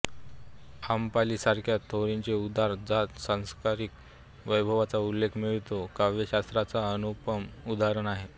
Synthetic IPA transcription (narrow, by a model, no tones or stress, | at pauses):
ampaliːsaɾkʰjat̪ʰːoɾiɲt͡ɕeud̪ʱaɾd͡zat̪sãw̃skaɾik | ʋəjbʱəʋat͡saulːekʰmiɭit̪okaʋjəɕast̪ɾat͡saənupəmud̪aɾəɳaɦe